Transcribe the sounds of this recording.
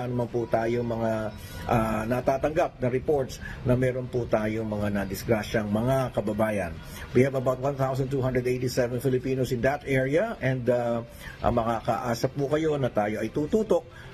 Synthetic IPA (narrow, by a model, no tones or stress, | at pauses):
nɐmɐnput̪aːjoŋmɐŋa | ʔanɐt̪aːt̪ɐŋɡap̚nɐɾɛpo̞ɹt̪snɐmɛːɾo̞nput̪aːjo̞ŋmɐŋanɐd̪ɪsɡɾaʃɐŋmɐŋakɐbɐbaːjɐn | wihɛvɐbawt̪̚wãnt̪awsɐnt̪uːɦãnd̪ɾɛd̪ejt̪isɛvɛnfɪlɪpiːnosɪ̃nd̪ɐt̪ʔɛɹiɐʔɛnd̪ɐ | ʔɐ̰mɐkaːkɐ̰ʔaːsɐpukɐjo̞nɐt̪aːjo̞ʔɐjt̪uːt̪uːt̪o̞k̚